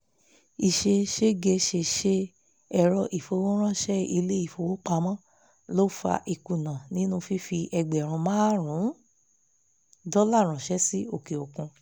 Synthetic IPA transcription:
i˨ʃe˧ʃe˦ɡe˧ʃe˧˨ʃe˧ | ɛ˨ɾɔ˧ʔi˨fo˧wo˦ɾ̃ã˦˨ʃɛ˦i˧le˦i˦˨fo˧wo˦k͡pa˧mɔ̃˦ | lo˦fa̰˧ʔi˨ku˨nã˨nĩ˦nũ˧˦fi˦fi˧ʔɛ˧ɡ͡bɛ˨ɾ̃ũ˧mãː˦ɾũ˨˦ | dɔ˦la˦˨ɾ̃ã˨ʃɛ˦si˦o˦˨ke˨o˨kũ˧

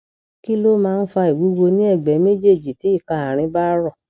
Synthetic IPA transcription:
ki˦lo˦mãː˦˧n̩˦fa˧i˨ɡu˨˦ɡo˧nĩ˦ɛ˦˨ɡ͡bɛ˨˦me˦d͡ʒe˦˨d͡ʒi˨ti˨˦i˦˨ka˧˨a˨ɾ̃ĩ˧˦ba˦ɾɔ˦˨

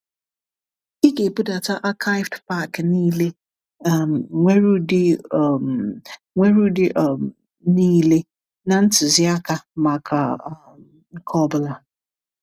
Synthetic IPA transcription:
i˦ɡe˨bu˦da˨tʰa˦ʔa˦kʰa˦ɪ˦vdpa˦˨kniː˦le˦˨ | mŋʷe˦ɾu˦dɪ˦˨m | ŋʷe˦ɾu˦dɪ˦ʔm | niː˦le˦ | nã˨n̩˦tɪ˨zɪ˦a˦kʰa˨ma˨kʰa˨ | ŋ̩˦kʰɔ˦bla˨

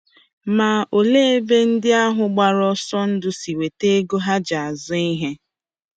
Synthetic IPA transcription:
ma˨ʔo˨le˦e˦be˦n̩˦dɪ˦a˦ɦʊ˨ɡ͡ba˨ɾɔ˦sɔ˦n̩˦dʊ˦si˨we˨te˦ɡo˦ɦa˦d͡ʒa˨a˨zʊ˦i˦ɦe˦

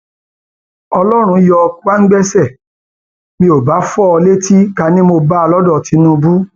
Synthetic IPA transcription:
ɔ˧lɔ˦ɾ̃ũ˧jɔ˧kwa˦ŋ̩˦ɡ͡bɛ˦sɛ˦˨ | mĩ˧o˨ba˨˦fɔ˦ɔ˧le˦ti˦ka˧˦nĩ˦mo˧ba˦a˧lɔ˦dɔ˦˨ti˨˧˦nũ˧˦bu˦

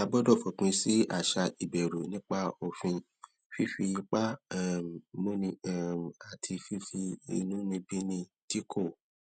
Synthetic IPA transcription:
a˧bɔ˦dɔ˦˨fɔ˨k͡pũ˧si˦a̰˦˨ʃa˧i˨bɛ˨ɾo˨nĩ˦k͡pa˦o˨fĩ˧ | fi˦fi˧nĩ˧˦k͡pa˦˨ | mo˦nĩ˧˦˨a˨tʰi˧fi˦fi˧ḭ˧nũ˦nĩ˧bĩ˦nĩ˧ | ti˦kʰo˦˨

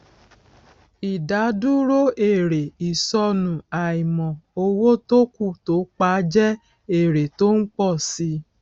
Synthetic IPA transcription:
i˨da˨˦du˦ɾo˦e˦˨ɾe˨i˨sɔ˧nũ˨a˨i˨mɔ̃˨o˧wo˦to˦ku˦˨to˨˦k͡pa˦d͡ʒɛ˦ | e˦˨ɾe˨to˦ŋ̩˦k͡pɔ˦˨si˧˦

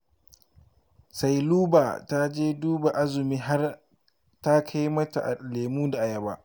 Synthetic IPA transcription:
sa˨jluː˦baː˨ta˦d͡ʒeː˦duː˦ba˨ʔa˦zʊ˨miː˦ɦa˦r | ta˦kʰa˦jmɐ˦ta̰˨ʔa̰˨leː˨muː˦da˨ʔa˨jɐ˨ba˦ʔ

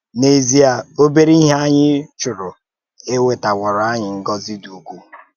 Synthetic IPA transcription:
ne˨zi˦a˨o˦be˦ɾi˦i˦ɦa˦ɲɪ˦t͡ʃʊ˨ɾʊ˨ | e˦we˨ta˨wɔ˨ɾa˦ɲɪ˨ŋ̩˦ɡɔ˦zi˦du˨u˨kʷu˦

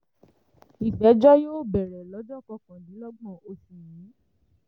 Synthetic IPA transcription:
i˨tɛ˨˦d͡ʒɔ˦joː˦˨bɛ˨ɾɛ˨lɔ˨˦d͡ʒɔ˦˨kɔ˧kã˨nĩ˨˦lɔ˦ɡ͡bɔ̃˦˨o˧fĩ˨jĩ˨˦

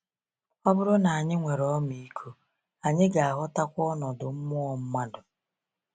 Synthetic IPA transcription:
ɔ˦bʊ˦ɾʊ˦na˨a˨ɲɪ˦ŋʷe˨ɾɔ˦mi˨i˦kʰu˦ | a˨ɲɪ˦ɡa˨a˨ɦʊ˦ta˦kʷɔ˦nɔ˨dʊ˨m̩˦mʊ˦ɔ˨m̩˦ma˦dʊ˨

